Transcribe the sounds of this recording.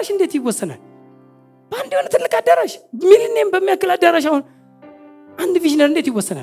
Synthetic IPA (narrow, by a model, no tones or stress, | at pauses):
aʃindetiɡʷosəna̰ | b̥andwanatələkadaɾaʃmiɾinembamakəladaɾaʃ̬aun | andiviʒinaɾndetiɡʷosəna̰